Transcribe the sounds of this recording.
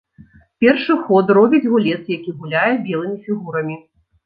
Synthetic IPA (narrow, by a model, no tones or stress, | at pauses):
pʲɛrʂɨxɔt̪rɔbʲid͡zʲɣulʲɛt̪sjakʲiɣulʲajɛbʲɛlˠɨmʲifʲiɣuɾɐmʲi